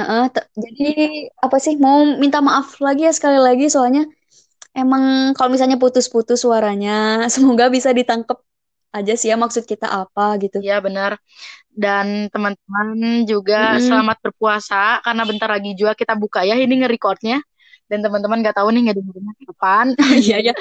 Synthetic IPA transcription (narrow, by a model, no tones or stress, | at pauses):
əʔət̪əd͡ʒadiapasɪhmawmint̪amaʔaflaɡijasə̥kalilaɡisoalɲa | emaŋkalomis̬alɲap̬ut̪ʊsput̪ʊswaɾaɲasəmoɡabisadit̪aŋkəp̚ | ʔad͡ʒasijamaksʊt̪̚kit̪a̰ʔapaɡit̪uijabənər | dant̪əmant̪əmand͡ʒuɡasəlamat̪̚bərpuasakarnabənt̪arlaɡid͡ʒuakit̪abukajaɦiniŋəɾikɔrt̪̚ɲa | dant̪əmant̪əmanɡaʔt̪aunɪŋɡadəŋədənasiəpanijaja